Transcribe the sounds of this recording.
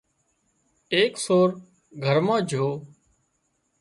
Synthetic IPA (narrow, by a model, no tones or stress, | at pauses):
eːksoːɾ | ɡʱəɾmãːd͡ʒʱoː